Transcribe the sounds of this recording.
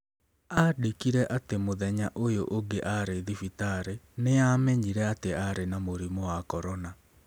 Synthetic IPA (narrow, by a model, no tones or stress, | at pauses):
adikiɾɛʔatemoðɛɲaʔojoʔoŋɡeʔaɾeðifitaɾeneamɛɲiɾɛateaɾenamoɾimowakɔɾɔna